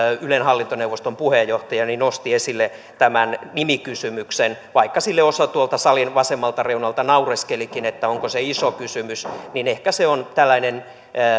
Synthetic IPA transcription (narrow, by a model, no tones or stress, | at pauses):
ylenhɑlːint̪oneuʋost̪ompuhejːoht̪ɑjɑninost̪iesilːe | t̪æmænnimikysymyksenʋɑikːɑsilːeosɑt̪uolt̪ɑsɑlinʋɑsemːɑlt̪ɑreunɑlt̪ɑnɑureskelikinet̪ːæoŋkoseisokysymysninehkæseont̪ælːæinenː